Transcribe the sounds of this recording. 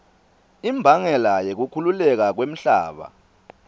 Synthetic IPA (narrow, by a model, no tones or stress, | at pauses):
imbʱaŋɛlajek̬ukʰululɛk̬ak̬wem̩ɬa̰ːɓa̰